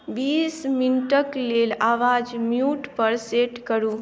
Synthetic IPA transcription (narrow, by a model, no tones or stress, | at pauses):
bisminʈəklelaʋad͡ʒmjuʈpəɾseʈkəɾu